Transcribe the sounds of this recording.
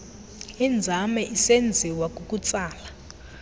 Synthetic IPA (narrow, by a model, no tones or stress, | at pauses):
ind͡zʱamɛʔisend͡zʱiwakʼukʼut͡sʼaːla